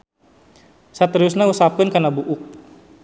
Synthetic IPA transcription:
sat̪ɾiusnausap̚kɪnkanabuʔʊk̚

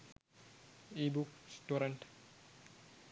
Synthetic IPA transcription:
ibuksʈuɾəɳʈ

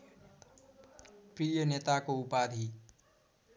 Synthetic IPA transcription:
pɾiːjəneːt̪akoʊpaːd̪ʱi

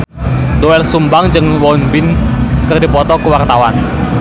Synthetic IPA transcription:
doɛlsumbaŋd͡ʒɨŋwɔnbɪnkərdipɔt̪ɔkəwart̪awan

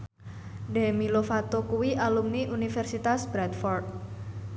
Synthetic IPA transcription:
ɖɛmilofat̪okuwiʔalumniʔunifɛrsit̪asb̥ɾɛt̪fɔrd̚

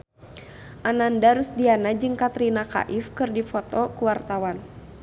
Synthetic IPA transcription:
ʔanandaɾusdianad͡ʒɨŋkat̪ɾinaka̰ʔifkɨrdifɔt̪ɔkuwart̪awan

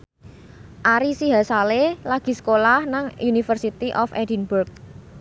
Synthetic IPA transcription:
ʔaɾisiɦasalelaɡ̥i̤sə̥kolahnaŋunifərsit̪iʔɔfɛ̰dinburk̚

